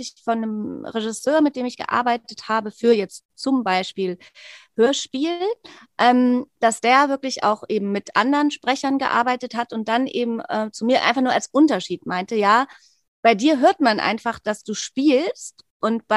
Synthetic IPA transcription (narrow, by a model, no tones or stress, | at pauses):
ɪçfɔnːəmʁeʒɪsøːɐmɪt̚d̥eːmɪçɡ̥ə̰ʔa̰ɐbaɪtəthaːbəfyːɐjɛt͡st | t͡sʊmbaɪʃpiːl | høːɐʃpiːllʔɛːmd̥asd̥eːɐvɪɐklɪçʔa̰ʊxʔeːbm̩mɪtʔa̰ndəʁənʃpʁ̥ɛçɐnɡə̰ʔa̰ɐbaɪtəthatʊnt̚d̥anʔḛːbm̩ʔɛːt͡sumiːɐʔa̰ɪnfaχnuɐalsʔʊntɐʃiːtmaɪntəjaː | b̥aɪdiːɐɦøːɐtmanʔa̰ɪnfaχd̥asd̥uːʃpiːlst | ʔʊntb̥a